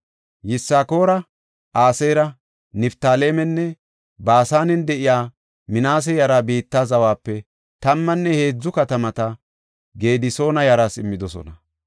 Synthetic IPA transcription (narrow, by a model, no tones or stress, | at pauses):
jɪsːaːko̞ːɾɐ | ʔaːsejɾɐ | nɪft̪aːle̞ːmɛnːɛ | baːsaːnɛnd̪ɛʔɪjaː | mɪnaːs̬ɛjɐɾabiːt̪ːaːzɐwaːpːɛ | t̪ɐmːɐnːɛhe̞ːd͡zːʊkɐt̪ɐmɐt̪ɐ | ɡe̞ːd̪ɪso̞ːnɐjɐɾaːsɪmːɪd̪ɔsɔ̰nɐ